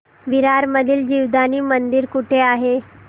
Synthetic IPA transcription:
ʋiɾaɾməd̪ʱiːld͡ʑiːʋd̪aniːmənd̪iɾkuʈʰeaɦe

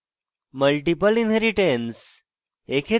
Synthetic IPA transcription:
məlʈipəlinəɾiʈens | ekʰe

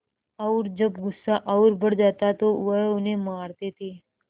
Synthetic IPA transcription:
əwɾd͡ʒəbɡʊsːaʔəwɾbʱəɽd͡ʒat̪at̪oʋəonemaɽt̪et̪e

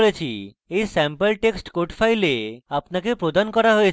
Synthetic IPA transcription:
ɭet͡ɕʰi | ejsɛmpəlʈeksʈkoʈfʰajleapnakepɾod̪ankɔɾaɦoj

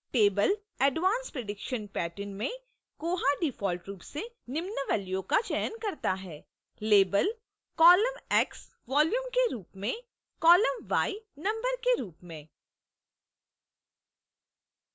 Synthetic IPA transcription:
ʈeːbəl | ɛɖʋãːnspɾeɖɪkʃənpɛːʈənmẽ | koːɦaɖɪfɔːlʈɾuːpse | nɪmnəʋɛːljõkat͡ʃɛjənkɐɾt̪aɦɛː | leːbəl | kɔːləmɛːks | ʋɔːljuːmkeɾuːpmẽ | kɔːləmʋaːinɐ̃mbəɾkeɾuːpmẽː

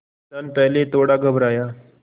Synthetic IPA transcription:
tanpɛɦlet̪oɽaɡəbɾaja

